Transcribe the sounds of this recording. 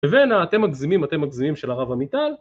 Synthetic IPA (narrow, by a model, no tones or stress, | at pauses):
evenaːt̪e̞mːaɡzimimate̞mːaɡzimimʃelaʁavamit̪al